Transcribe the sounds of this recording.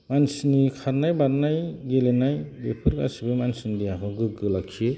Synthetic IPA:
mansinikʰaɾnajbaɾnajɡelenajbepʰɯɾɡa̰sibɯmansindijakʰɯɡɯɡɯlakʰːie

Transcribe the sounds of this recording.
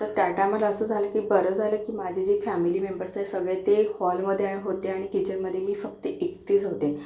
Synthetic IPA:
t̪əɾt̪aʈamələsəːd͡zʱaləkiːbəɾəd͡zʱaləːkiːmad͡ʑʱid͡ʑifæmiliːmembəɾsəisəɡɭet̪ehɔlməd̪ʱːeaɽ̃iɦot̪eaɽ̃ikit͡ɕəɾməd̪ʱːjemiːfəkt̪əʔekt̪iːt͡sɦot̪e

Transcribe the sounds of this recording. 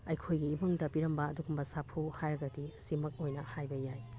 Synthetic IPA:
ɐjkʰojɡiːbɐŋdɐpiɾɐmbɐːduɡumbɐsapʰuhajɾɐɡɐdisimɐk̚ojnɐhajbɐjaj

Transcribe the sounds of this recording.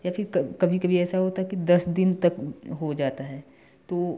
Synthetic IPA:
jafɪɾkɐkɐbʱikɐbʱiɛːsaɦoːt̪aɦɛkid̪ɐsd̪ɪnt̪ɐkɦod͡ʒaːt̪aɦɛː | t̪oː

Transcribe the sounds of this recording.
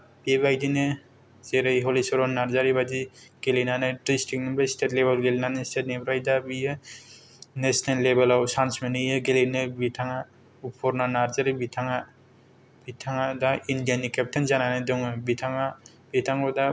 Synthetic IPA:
bebajdine | zeɾejɦɔlisɔɾɔnaɾzaɾibad͡ʒiɡ̥elinanɯdɾistʰik̚nimbastetlebelɡelinanestet̚nebɾajdabijɯ | nesnelːebelawsansmenɯjɯɡelinɯbitʰaŋa | upʰɔɾnanaɾzaɾibitʰaŋa | b̥itʰaŋadaindijanikep̚tʰenzananadɔŋɯbitʰaŋa | b̥itʰaŋɔda

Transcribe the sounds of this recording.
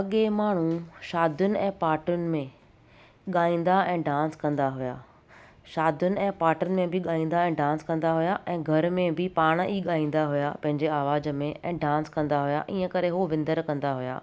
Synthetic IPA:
ɐɠemaːɳ̤ũʃaːd̪ʱjʊnɪ̆ɛ̃ːpaːʈjʊnɪ̆mẽ | ɠaːĩːn̆d̪aɛ̃ːɖãːnskɐ̃nd̪aɦʊja̰ː | ʃaːd̪ʱjʊnɪ̆ɛ̃ːpaːʈʊnɪ̆mẽbɪɠaːĩːnd̪aɛ̃ːɖãːnskɐ̃nd̪aɦujaʔɛ̃ːɡʱɐɾmẽbɪpaːɽ̃iːɠaːĩːnd̪aɦujapɐ̃ɦɪ̃ɲd͡ʑeaːʋaːd͡ʑmẽʔɛ̃ːɖãːnskɐ̃nd̪aɦuja̰ʔiːə̃kɐɾeɦoʋɪ̃nd̪əɾkɐ̃nd̪aɦʊja̰ː

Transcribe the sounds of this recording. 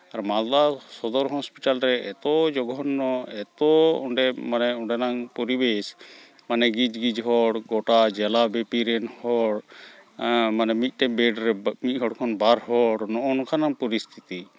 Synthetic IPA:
aɾmald̪asɔd̪ɔɾɦɔ̃spiʈalɾɛɛ̰t̪ɔd͡ʒɔɡɔnːɔɛt̪ɔɔɳɖɛmanɛɔɳɖɛnaŋpɔɾibes | manɛɡid͡ʒɡid͡ʒɦɔɽɡɔʈad͡ʒɛlabɛpiɾɛnhɔɽ | manɛmit̪̚ˀʈɛbɛɖɾɛmit̪̚ɦɔɽkʰɔnbaɾhɔɽnɔʔɔnɔkʰanaŋpɔɾist̪ʰi̥t̪i

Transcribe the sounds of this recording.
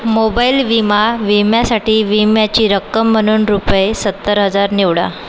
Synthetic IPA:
mobailʋimaʋimjasaʈiːʋimjat͡ɕiːɾəkːəmːəñuːnɾupjesət̪ːəɾɦəd͡zaɾniʋɽa̰

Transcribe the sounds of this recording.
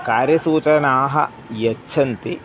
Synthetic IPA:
kaːɾjɐsuːt͡ʃɐnaːɦɐ̰ | jɐt͡ʃːʃʰɐnt̪i

